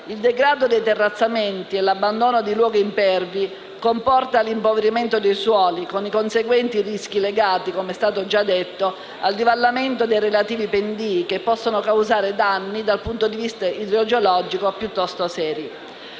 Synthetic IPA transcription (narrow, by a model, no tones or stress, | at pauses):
ild̪eɡɾaːd̪od̪ejt̪erːat̪sːament̪ielabːand̪oːnod̪ilwɔːɡimpɛrvi | kompɔrt̪alimpoveɾiment̪od̪ejswɔːlikonikonseɡwɛnt̪irisk̟ileɡaːt̪ikomeɛst̪aːt̪od͡ʒad̪ːet̪ːo | a̰ld̪ivalːament̪od̪ejɾelat̪iːvipend̪iːkepːɔsːonokawzaːɾed̪anːid̪alpunt̪od̪ivist̪aid̪ɾod͡ʒolɔːd͡ʒikopjut̪ːɔst̪osɛːɾi